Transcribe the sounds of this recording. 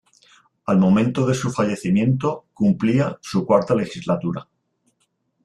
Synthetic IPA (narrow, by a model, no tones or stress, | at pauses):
almõ̞mẽ̞nt̪o̞ðe̞sufaʎe̞θimjẽ̞nt̪okumpliasukwaɾt̪ale̞xizlat̪uɾa̰